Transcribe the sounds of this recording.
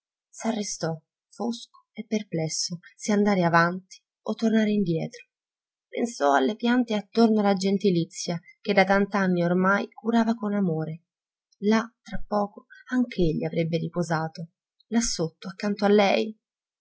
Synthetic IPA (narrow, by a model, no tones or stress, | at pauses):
sarːest̪ɔ | fosko̥epːerplɛsːoseand̪aːɾeavant̪i̥ | ot̪ːornaːɾeind̪jɛːt̪ɾo̥ | pḛnsɔalːepjant̪eat̪ːornoalːad͡ʒent̪ilit̪sːjak̟ed̪at̪ant̪anːiormajkuɾaːvakonamoːɾe | lat̪ːɾapːɔːkoaŋk̟ʰeeʎːiavɾebːeɾipozaːt̪o | lasːot̪ːoakːant̪oalːɛj